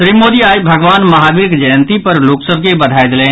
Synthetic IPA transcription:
ʃɾiːmːoːd̪iaːibʱɐɡʋaːnmɐɦaːɡɪɾɪkd͡ʒəjənt̪ipɐɾloːksəbʱkebɐd̪ʱaːed̪lẽ

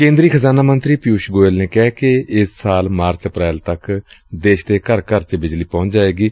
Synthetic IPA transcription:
kẽːnd̪ɾiːkʰəzaːnaːmənt̪ɾiːpɪjuːʃɡoːelneːkɛːkɪɪsːaːlmaːɾt͡ʃəpɾɛːlt̪əkd̪eːʃt̪eːkəɾkəɾt͡ʃbɪd͡ʒliːpɔ̃ːt͡ʃd͡ʒaːeːɡiː

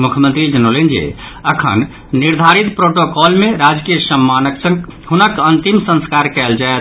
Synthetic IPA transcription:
mukʰjəmə̃nt̪ɾid͡ʒənolend͡ʒḭ | əkʰə̰nː | iɾd̪ʱaɾit̪pɾoʈokɔlmeɾad͡ʒkijəsəmːanəksə̃ŋɡhunəkənt̪imsə̃nskaɾkɛld͡ʒaet̪

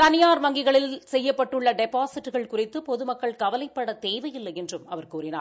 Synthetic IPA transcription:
t̪ɐnɪjaːɾʋɐŋɡɪɣɐɭɪlsɛjːɐpːɐʈːɯɭːɐɖɛpaːsɪʈːɯɣɐɭkʊrɪt̪ːɯpɔðɯmɐkːɐɭkɐʋɐlɐɪpːɐɽɐt̪eːʋɐjɪlːɐɛndrɯmɐʋɐɾkuːrɪna̰ːɾ

